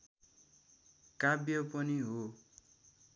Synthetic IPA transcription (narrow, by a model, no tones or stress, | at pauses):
kabjʌpʌniɦo